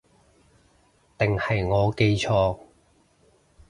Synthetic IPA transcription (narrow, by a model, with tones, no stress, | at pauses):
t̪ɪ˨˩ŋhɐ˨jŋɔː˨˧ke˧jt͡ʃʰɔː˧